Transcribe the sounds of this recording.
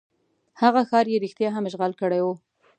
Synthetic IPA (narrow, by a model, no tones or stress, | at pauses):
haɣaxɑɾjeɾixt̪jɑɦamʒɣalkəɽajwu